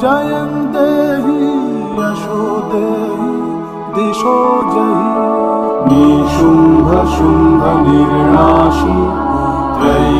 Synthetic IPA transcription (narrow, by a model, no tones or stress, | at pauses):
d͡ʒɐjɐmd̪eːɦi | jɐʃud̪eː | ɦi | d̪iʃoːd͡ʒɐɦi | niːʃumbʱɐʃumbʱɐniɾɳaːʃu | t̪ɾɐ